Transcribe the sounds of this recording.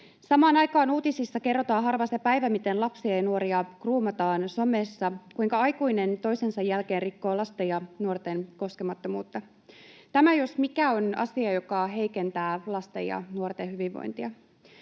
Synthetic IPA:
sɑmɑːnɑjkɑːnuːt̪isisːɑke̞rːot̪ɑːɦɑrʋɑst̪epæjʋæmit̪e̞nlɑpsiɑjɑnuoɾiɑkruːmɑt̪ɑːnso̞me̞ːsːɑkuiŋkɑɑjkujne̞nt̪o̞jse̞nsɑjːælke̞ːnrikːo̞ːlɑst̪ejɑnuort̪e̞nko̞ske̞mɑt̪ːomuːt̪ːɑ | t̪æmæjo̞smikæo̞nɑ̰siɑjo̞kɑɦe̞jke̞nt̪æːlɑst̪ḛjɑ̰nuort̪eɦyʋiʋʋo̰jnt̪iɑ

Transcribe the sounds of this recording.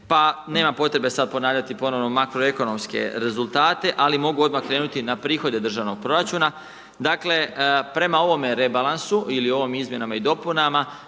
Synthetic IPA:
pane̞ːmapo̞t̪ɾe̞be̞sad̪̚po̞naːʋʎat̪ipo̞no̞ʋno̞makɾo̞e̞ko̞no̞mske̞̰ɾe̞zulˠt̪aːt̪e̞ʔalimo̞ɡuo̞d̪makɾe̞ːnut̪inapɾiːxo̞d̪e̞d̪r̩ʒaʋno̞ɡ̚pɾo̞ɾat͡ʃuːna | d̪akle̞pɾe̞mao̞ʋo̞me̞ɾe̞balˠansuʔilio̞ʋomizmje̞namaid̪o̞punama

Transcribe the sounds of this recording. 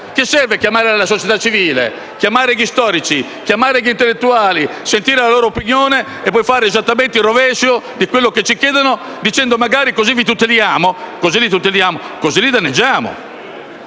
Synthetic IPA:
kesɛrvekjamaːɾealasot͡ʃɛt̪at͡ʃːiviːlḛ | kjamaːɾeɣist̪ɔːɾit͡ʃi | kjamaːɾeɣint̪elːet̪ːuaːlisent̪iːɾelaloːɾoopinjoːne | ɛpːɔjfaːɾeːzat̪ːament̪eirːovɛːʃjod̪ikwelːoket͡ʃːikjɛːd̪ano | d̪it͡ʃɛnd̪omaɡaːɾikozivit̪ut̪ːeljaːmokozilit̪ut̪ːeljaːmokozilid̪anːed͡ʒːaːmo̰

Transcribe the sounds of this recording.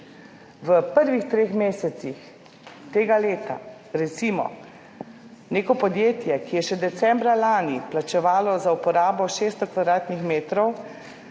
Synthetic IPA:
ʋəpəɾʋixt̪ɾeːxmeːsɛt̪six | t̪eːɡaleːt̪a̰ | ɾɛt̪simɔ̰ | neːkɔpɔd̪jeːt̪jɛkijɛʃɛd̪ɛt̪sɛmbɾalaːniplat͡ʃɛʋaːlɔzaupɔɾaːbɔʃeːst̪ɔkʋad̪ɾaːt̪nixmeːt̪ɾɔw

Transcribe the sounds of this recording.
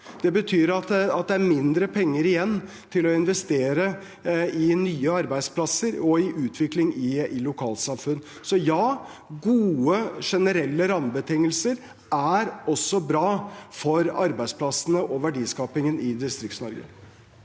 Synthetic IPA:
d̪̥ɛbət̪ʰyːɾɑt̪ɑt̪̚d̪ɛæɾmɪnd̪ɾəpʰɛŋːəɾɪjɛnː | t̪ʰɪlɔɪnʋɛst̪eːɾə | ɪnyːəɑɾbæɪd̪spʰlɑsəɾɔɪʔʉːt̪ʰʋɪklɪŋɪɪlʊkʰɑːlt̪sɑmfʉnː | sɔjɑː | ɡuːəʂɛnəɾɛlːəɾɑmbət̪ʰɪŋːəlsəɾ | æɾɔsːɔbɾɑːfɔɾɑ̰ɾbæɪspʰlɑsənəʔɔʋæɖiːskɑːpɪŋənɪd̪ɪst̪ɾɪktsnɔɾɡə̰

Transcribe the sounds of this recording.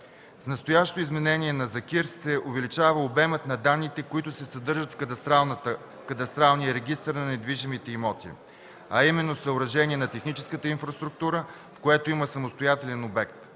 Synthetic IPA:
snɐst̪ojaʃt̪oizmɛnɛniɛnɐzɐkiɾssɛʊvɛlit͡ʃavəobɛmət̪nɐd̪anːit̪ɛkoit̪ʊsɛsɐd̪ɤɾʒət̪f | kɐt̪ɐst̪ɾalˠnijəɾɛɡʲist̪əɾnɐnɛd̪viʒimit̪ɛimɔt̪ḭ | ɐimɛnːosəʊɾɐʒɛniɛnɐt̪ɛxnit͡ʃɛ̥skət̪əinfɾɐst̪ɾuk̚t̪uɾə | fkoɛt̪oiməsɐmost̪ojat̪ɛlɛnobɛkt̪

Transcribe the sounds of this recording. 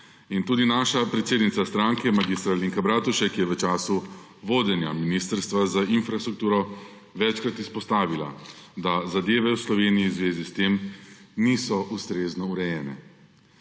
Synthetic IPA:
int̪uːd̪inaːʃapɾɛt̪seːd̪nit̪sast̪ɾaŋkɛmaɡist̪ɾaliŋkabɾaːt̪uʃɛkjɛʋət͡ʃaːsu | ʋoːd̪ɛnjaminiːst̪əɾst̪ʋazainfɾast̪ɾuk̚t̪uːɾɔ | ʋɛt͡ʃkɾat̪ispɔst̪aːʋila̰ | d̪azad̪eːʋɛwslɔʋeːnijizʋeːzist̪eːmniːsɔʔust̪ɾeːznɔuɾɛjɛːnɛ̰

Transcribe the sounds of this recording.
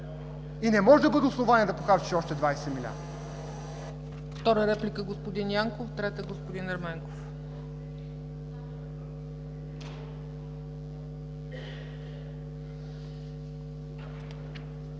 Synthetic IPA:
inɛmɔʒɛd̪ɐbɤd̪ɛʊslˠovaniɛd̪ɐpoxabʲi̥ʃɔʃt̪ɛd̪vajsɛmilʲa̰ɾd̪ | ft̪ɔɾəɾɛplʲikəɡospod̪injaŋkoft̪ɾɛt̪əɡospod̪inɐɾmɛŋkof

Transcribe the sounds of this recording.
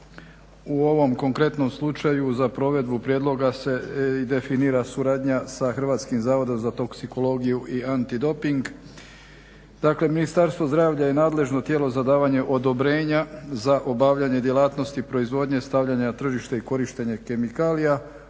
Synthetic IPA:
uo̞ʋo̞mko̞ŋkɾe̞t̪no̞mslˠut͡ʃajuzapɾo̞ʋe̞d̪bupɾjeːd̪lˠo̞ɡase̞d̪e̞finiːɾasuɾaːd̪ɲasaxr̩ʋaːt̪skimzaːʋo̞d̪o̞mzat̪o̞ksiko̞lo̞ɡijuʔiant̪id̪o̞piŋɡ | d̪̥akle̞minist̪aɾst̪ʋo̞zd̪ɾaːʋʎaje̞naːd̪le̞ʒno̞t̪jeːlo̞zad̪aːʋaɲe̞ʔo̞d̪o̞bɾe̞ːɲazaʔo̞baʋʎaɲe̞d̪jelˠaːt̪no̞st̪ipɾo̞izʋo̞ːd̪ɲe̞st̪aʋʎaɲat̪r̩ʒiʃt̪eiko̞ɾiʃt̪eɲeke̞mikaːlija

